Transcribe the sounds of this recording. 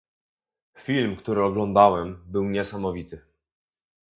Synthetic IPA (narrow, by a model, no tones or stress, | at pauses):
fʲilmkt̪uɾɘɔɡlɔnd̪awɛmbɘwɲɛsamɔvʲit̪ɘ